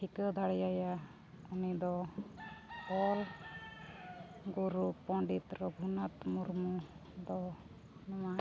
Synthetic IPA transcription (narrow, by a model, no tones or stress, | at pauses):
ʈʰikəd̪ʱaɽjaja | unid̪ɔ | pɔl | ɡuɾupɔ̃ɳɖit̪ɾɔɡʱunat̪muɾmud̪ɔ | nɔma